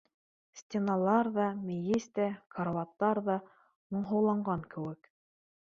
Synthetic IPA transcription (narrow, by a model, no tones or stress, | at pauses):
sʲtʲenɑlˠɑɾðɑmʲɘjɘst̪ækaɾvɑt̪ːɑɾðɑ | mŏɴɦɤ̆wlˠɑɴɢɑŋkɘ̆wɘk